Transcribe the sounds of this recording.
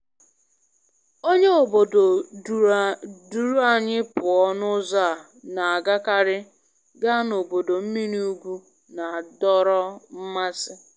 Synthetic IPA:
o˦ɲe˦o˨bo˨do˨ | du˨ɾu˦a˨ɲɪ˦pʊ˨ɔ˦nʊ˦za˦˨ | na˨a˨ɡa˦ka˦ɾɪ˦ | ɡa˦no˨bo˨do˨m̩˦mi˦ni˦u˦ɡʷu˦ | na˨a˨dɔ˦ɾɔ˦m̩˦ma˦sɪ˦

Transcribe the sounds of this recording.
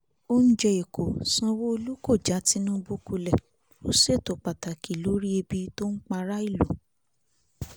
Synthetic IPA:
o˦ñ̩˦d͡ʒɛ˧e˨ko˨sã˧wo˦o˧lu˦ko˦˨d͡ʒa˨˦ti˨˦nũ˦˧bo˦ku˧lɛ˦˨ | o˦se˦˨to˨k͡pa˨ta˨ki˨lo˨˦ɾi˦e˧bi˧to˦n̩˦k͡pa˧ɾa˦i˦˨lo˨

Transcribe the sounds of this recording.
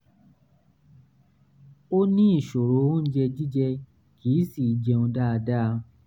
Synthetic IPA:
o˦nĩ˦i˦˨ʃo˨ɾo˨˦d͡ʒɛ˧d͡ʒi˦d͡ʒɛ˧ | kiː˨˦si˦˨i˨˦d͡ʒɛ˧õ˧da˦˧da˦˧

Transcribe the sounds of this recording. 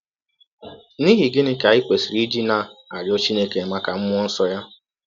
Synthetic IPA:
ni˦ɦi˨ɡɪ˦nɪ˦ka˨ɪ˦kʷe˨si˨ɾi˦d͡ʒi˦na˦a˨ɾjɔ˦t͡ʃi˦ne˦ke˨ma˦ka˨m̩˦mʷ˦ɔ˦n̩˦sɔ˦ja˦

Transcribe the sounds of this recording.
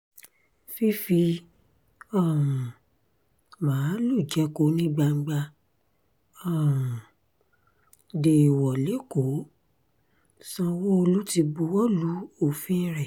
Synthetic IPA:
fi˦fi˧ | ɔ˦˨ | mãː˨˦lu˦˨d͡ʒɛ˦ko˦nĩ˦ɡ͡ba˧ŋ̩˧ɡ͡ba˧ | ɔ˦˨ | de˨i˨wɔ˨le˨˦ko˨˦ | sã˧wo˦o˧lu˦ti˧bu˧wɔ˦lu˨˦o˦˨fĩ˦ɾɛ˦˨

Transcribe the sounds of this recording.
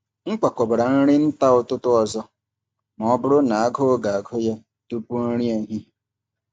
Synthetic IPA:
ŋ̩˦k͡pa˨kɔ˨bɾa˨n̩˦ɾɪ˦n̩˦ta˦ʊ˨tʊ˦tʊ˦ɔ˨zɔ˦ | m˨ɔ˦bʊ˦ɾʊ˦na˨a˦ɡʊ˦ɡa˨a˨ɡʰɔ˦ja˦ | tu˦pu˦n̩˦ɾi˦e˨ɦi˦

